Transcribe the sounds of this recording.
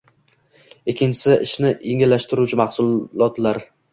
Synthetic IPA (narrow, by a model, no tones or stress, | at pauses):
ɪkʲʰːɪnt͡ʃʰɪsɪʔɪ̰ʃnɪeŋɪlːaʃt̪ɪɾut͡ʃʰɪmɑhsʊllɒt̪laɾ